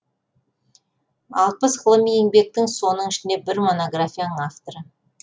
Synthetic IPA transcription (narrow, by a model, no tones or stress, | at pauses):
ɑlˠpəsχəlˠəmijɪŋbe̞k̚t̪ɪŋso̞nəɴɪʃɪnd̪e̞bɪɾmo̞no̞ɡrafʲijanəɴaft̪oɾə